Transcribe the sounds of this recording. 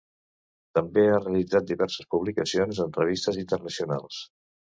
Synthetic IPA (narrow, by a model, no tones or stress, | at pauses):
t̪əmbeareəlid͡zat̪̚d̪iβɛɾsəspuβlikəsionzənrəβ̞ist̪əzint̪ərnəsiuna̰lˠs